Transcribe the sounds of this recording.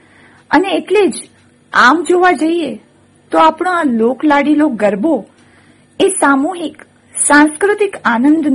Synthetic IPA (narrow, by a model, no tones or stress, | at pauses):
əneːʈled͡ʒ | amd͡ʒoʋad͡ʒəie | t̪oapɽõaloklaɽiloɡəɾbo | esamuɦik | sãnskɾʊt̪ɪkanənd̪n